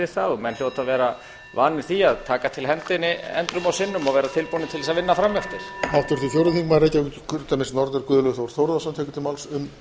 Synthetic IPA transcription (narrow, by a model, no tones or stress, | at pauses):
ɪθaðmɛnç̥jowt̪ʰaðvɛːɾa | va̰ːnɪɾ̥θiaðt̪ʰaːkat̪ʰɪlɦɛnt̪ɪnːɪɛ̰nt̪ɾʏmawsɪnːʏmaɣvɛːɾat̪ʰɪlpunɪt̪ʰɪlɛsavɪnːafɾamjaft̪ɪɾ̥hawht̪ʏɾ̥θifjowɾɪθiŋkmaɾejcːakʰʏɾt̪amɪnsnɔɾt̪ɪɾkʏːðʏlœɣθavɔɾ̥θowɾðawsamt̪ʰɛjkʏ̥t̪ʰɪlmawlsʏm